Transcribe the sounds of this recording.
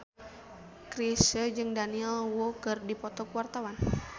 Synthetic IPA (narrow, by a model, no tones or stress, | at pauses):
kɾisəd͡ʒɨŋdaniɛlwokɨrdipɔt̪ɔkwart̪awan